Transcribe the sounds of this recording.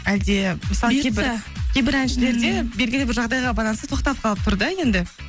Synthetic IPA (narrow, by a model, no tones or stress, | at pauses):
æld̪e̞məsɑlˠejbɪkʰʲejbɪɾænʃɪle̞ɾd̪e̞be̞lɡʲɪnebɪɾʒɑʁd̪ɑjʁɑbɑlˠɑnsə̥t̪ʰo̞qt̪ɑp̚qʰɑlˠəp̚t̪ʰʊɾd̪əje̞nd̪ɪ